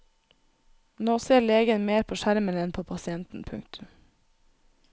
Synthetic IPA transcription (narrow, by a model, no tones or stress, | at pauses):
noːseːleːɡənmeːɾpʰoːʃæɾmənɛnpʰoːpʰɑsɪɛnt̪n̩pʰʉ̰ŋt̪ʰʉm